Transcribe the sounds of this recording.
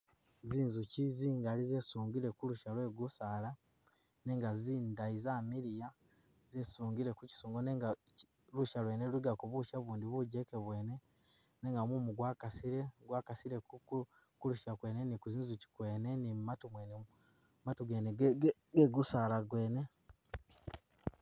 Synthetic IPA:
ziːnzuciziːŋɡalizesuːŋɡiɾe̞kuluʃalwe̞ɡusaːla | ne̞ːŋɡaziːndaizamiɾija | zesuːŋɡiɾe̞kuci̥suːŋɡoneŋɡa | luʃalweneluiɡakuβuʃaβuːndiβuɟekeβwe̞ːne̞ | neːŋɡamumuɡwaːkasiɾe̞ɡwaːkasiɾeku | kuluʃakwe̞ːnenikuziːnzuci̥kweːne̞nimmatumwene | matuɡeːneɡeɡusalaɡwe̞ːne̞

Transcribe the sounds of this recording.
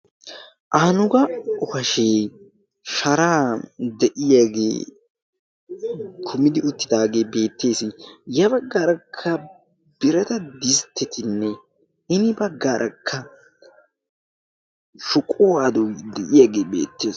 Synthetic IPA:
ʔaːnʊɡɐʊfɐʃeː | ʃɐɾaːd̪ɛʔɪjaɡḛː | kʰʊmɪd̪ɪʊt̪ːɪd̪aːɡe̞ːbe̞ːt̪ːe̞ːsɪjɐbɐɡːaːɾɐkʰːɐ | b̥ɪɾɛt̪ɐd̪ɪst̪ʰːɛt̪ɪnːɛ | ɪnɪbɐɡːaːɾʔɐkʰːɐ | ʃʊkʼowaːd̪ud̪ɛʔɪjaɡeːbḛːt̪ːeːs

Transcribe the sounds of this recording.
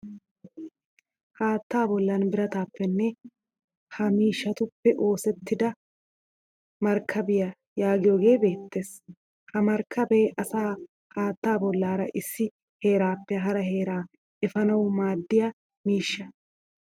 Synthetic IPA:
haːt̪ːaːbɔlːɐnbɪɾɐt̪aːpːɛnːɛ | hɐmiːʃːɐt̪ʊpːɛʔo̞ːsɛt̪ːɪd̪ɐ | mɐɾkʰːɐbɪjɐ | jaːɡɪjo̞ːɡe̞ːbe̞ːt̪ːe̞ːs | hɐmɐɾkʰːɐbeːʔɐsaː | haːt̪ːaːbɔlːaːɾɐʔɪsːɪ | he̞ːɾaːpːɛɦɐɾɐɦe̞ːɾaː | ɛfɐnɐwmaːd̪ːɪja | miːʃːɐ

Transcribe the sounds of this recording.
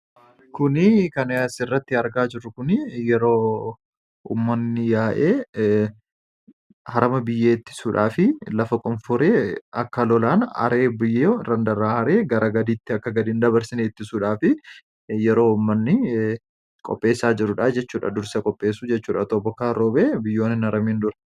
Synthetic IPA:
kʊnɪkɐnɐsɪrːɐt̪ːɪɐɾɡaːd͡ʒɪrːʊkʊnɪjɛɾo̞ː | ṵmːɐnːɪjaːʔeː | hɐɾɐmɐbɪjːeːt̪ːɪ̥suːᶑaːfɪlɐfɐkʼʊnfʊɾeːɐkːɐlɔlaːnɐ̰ɾeːbɪjːeɾɐnd̪ɐɾaːhɐɾe̞ːɡɐɾɐɡɐd̪iːt̪ːɪɐkːɐɡɐd̪iːnd̪ɐbɐɾsɪneːt̪ːɪsuːᶑaːfɪ | jɛɾo̞ːʊmːɐnːɪ | kʼɔ̰pʼːe̞ːsaːd͡ʒɪɾʊᶑaːd͡ʒɛt͡ʃːuːᶑɐ̰d̪ʊɾsɐkʼɔpʼːe̞ːsuːd͡ʒɛt͡ʃːuːᶑɐt̪ɔbɔkaːɾoːbeːbɪjːo̞ːnːɪnɐɾɐmiːnd̪ʊɾɐ̥

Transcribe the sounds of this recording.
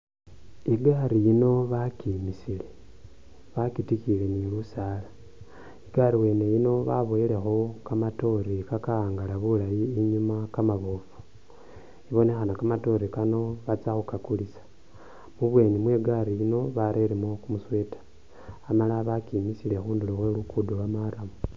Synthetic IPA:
iɡaɾijino̞βakimisile | βakitikile̞nilusaːla | iɡaɾiwe̞ːne̞jino̞βa̰βojile̞xokamato̞ɾikakaaːŋɡalaβulajiːɲumakamaβoːfu̥ | iβo̞ne̞xanakamato̞ɾikano̞βat͡saxukakulisḁ | muβwe̞ːnimwe̞ɡaɾijino̞βaɾeɾemokumuswe̞ːtḁː | malaβakimisile̞xuːndiloxwe̞lukudolwamaɾamu

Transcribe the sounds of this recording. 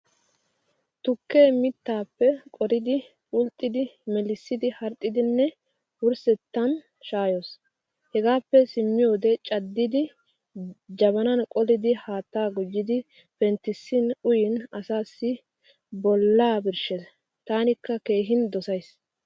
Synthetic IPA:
t̪ʊkːeːmɪt̪ːaːpːɛkʼɔɾɪd̪ɪ | ʊlt̪ʼːɪd̪ɪmɛlɪsːɪd̪ɪhɐɾt̪ʼːɪd̪ɪnːɛ | wʊɾsɛt̪ːɐn | ʃaːjoːs | hɛɡaːpːɛsɪmːɪjo̞ːd̪ɛt͡ʃʼɐd̪ːɪd̪ɪ | d͡ʒɐβɐnɐnkʼɔlɪd̪ɪhaːt̪ːaːɡʊd͡ʒːɪd̪ɪ | pɛnt̪ɪsːɪnʊjɪnɐsaːsːɪ | bɔlːaːbɪɾʃɛs | t̪aːnɪkːɐke̞ːɦɪnd̪ɔsɐjs

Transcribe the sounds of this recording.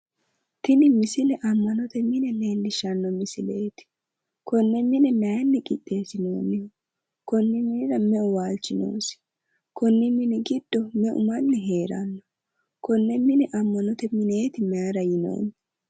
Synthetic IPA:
t̪ɪnɪmɪsɪlɛʔɐmːɐnɔt̪ɛmɪnɛneːndɪʃɐnːɔmɪsɪleːt̪ɪ̥ | kɔnːɛmɪnɛmɛjɐnːɛkʼɪt̪ʼːe̞ːsɪnoːnːɪ | kɔnːɪmɪndɐmɛʊwaːlt͡ʃːɪno̰ːsɪ̥ | kɔnːɪmɪnɪɡɪd̪̥ːɔmɛʔʊ̰mɐnːɛɦe̞ːɾɐ̰nːɔ | kɔnːɛmɪnɛʔɐmːɐnɔt̪ɛmɪne̞ːt̪ɪmɛɐɾɐjɪno̰ːnːɪ̥

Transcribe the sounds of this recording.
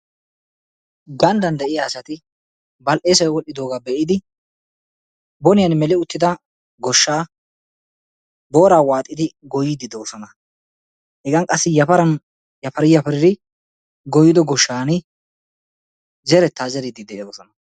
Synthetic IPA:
ɡɐnd̪ɐnd̪ɛʔɪjaːsɐt̪ɪ | bɐlʔeːsɐwɛwɔlʔːɪd̪o̞ːɡaːbɛʔɪd̪ɪ | bɔnɪjɐnmɛlɪʊt̪ːɪd̪ɐ | ɡɔʃːaː | bo̞ːɾaːwaːt̪ʼːɪd̪ɪɡɔjɪd̪ɪd̪oːsɔnɐ | hɛɡɐŋkʼɐsːɪjɐfɐɾɐn | jɐfɐɾɪjɐfɐɾɪd̪ɪ | ɡɔjːɪd̪ɔɡɔʃːaːnɪ | d͡ʒɛɾɛt̪ːaːd͡ʒɛɾɪd̪ɪd̪ɛɛd̪oːsɔnɐ

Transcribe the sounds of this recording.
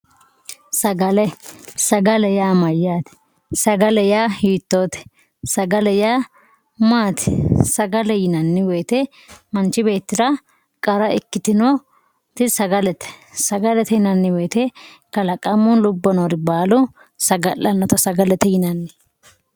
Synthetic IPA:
sɐɡɐlɛsɐɡɐlɛjaːmɐjːaːt̪ɛ̥ | sɐɡɐlɛjaːhiːt̪ːoːt̪ɛ̥ | sɐɡɐlɛjaː | maːt̪ɛ̥sɐɡɐlɛjɪnɐnːɪweːt̪ɛ | mɐnt͡ʃɪbe̞ːt̪ːɪɾɐ | kʼɐɾɐɪkːɪt̪ɪno | t̪ɪsɐɡɐlɛt̪ɛ̥sɐɡɐlɛt̪ɛɪnɐnːɪweːt̪ɛ | kɐlɐkʼɐmːʊlʊbːɔnoːɾɪbaːlʊ | sɐɡɐlːɐnːɔt̪ɐsɐɡɐlɛt̪ɛjɪnɐnːɪ

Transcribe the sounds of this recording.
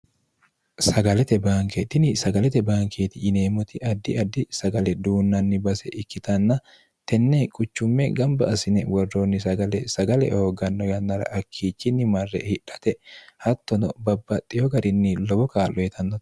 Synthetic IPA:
sɐɡɐlɛt̪ɛbaːŋket̪ɪnɪsɐɡɐlɛt̪ɛbaːŋkeːt̪ɪɪneːmʊt̪ɪʔɐd̪ːɪɐd̪ːɪsɐɡɐlɛd̪uːnːɐnːɪbɐsɛʔɪkːɪt̪ɐnːɐ | t̪ɛnːekʼʊt͡ʃːʊmːɛɡɐmbɐɐsɪnɛwɐrːoːnːɪsɐɡɐlɛsɐɡɐlɛ̰hoːɡɐnːɔjɐnːɐɾɐ̰ʔɐkʰːiːt͡ʃːɪnːɪmɐrːɛ̰hɪᶑɐ̥t̪ɛhɐt̪ːɔnɔbɐbːɐt̪ʼːɪjɔɡɐɾɪnːɪlɔbɔkaːlːɔjɛt̪ʰɐnːɔ̥

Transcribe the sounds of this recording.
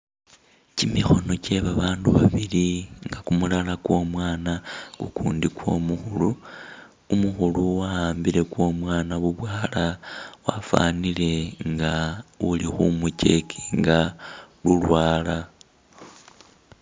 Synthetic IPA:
cimixo̞no̞ce̞βaβaːnduβaβiliŋɡakumulalakwo̞mwaːnakukuːndikwo̞̰ːmuxuluː | muxuluwahaːmbiɾe̞kwo̞ːmwaːnaβuβwaːlawafa̰nile̞ŋɡaulixumuce̞ki̥ŋɡalulwaːla

